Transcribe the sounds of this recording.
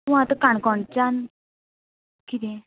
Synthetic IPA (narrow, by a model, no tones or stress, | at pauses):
ʋ̃at̪əkaɳkɔɳt͡ɕan | kit̪ẽ